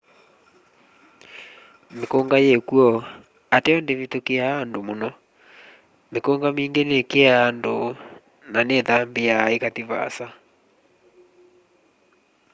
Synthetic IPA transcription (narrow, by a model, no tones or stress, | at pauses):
mekoŋɡajekuɔ | ateɔndevitokeaandomonɔ | mekoŋɡamiːŋɡenekeaːndo | naneðambeaekatiβa̰sa